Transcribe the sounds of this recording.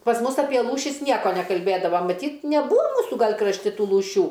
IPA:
pɐs ˈmʊs ˈɑːpʲiɛ ˈlˠuːʃʲɪs ˈnʲiɛkoː nʲɛkɐlʲˈbʲeːdɐʋɐ mɐˈtʲiːt nʲɛˈbuːɐ ˈmuːsʊ ˈɡɐlʲ krɐʃʲˈtʲɪ ˈtuː lˠuːˈʃʲuː

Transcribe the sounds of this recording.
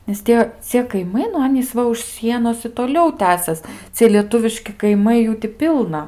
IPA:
nʲɛs ˈtʲiɛ ˈt͡sʲiɛ kɐɪˈmɐɪ nʊ ˈɑːnʲiːs ˈʋɐ ʊʃ ˈsʲiɛnoːs ɪ toːˈlʲɛʊ ˈtʲæːsʲɛs ˈt͡sʲiɛ lʲiɛˈtʊʋʲɪʃʲkʲɪ kɐɪˈmɐɪ ˈjuː tʲɪ ˈpʲɪlˠnɐ

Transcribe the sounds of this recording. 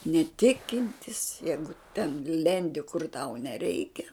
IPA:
nʲɛˈtʲɪkʲɪnʲtʲɪs ˈjɛɪɡʊ tʲɛn ˈlʲɛnʲdʲɪ kʊr tɐʊ nʲɛˈrʲɛɪkʲɛ

